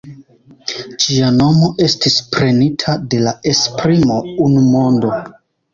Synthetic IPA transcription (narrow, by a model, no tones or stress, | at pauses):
d͡ʒiano̞mo̞ʔe̞stispɾe̞nitʰade̞lae̞spɾimo̞unumo̞ndo̞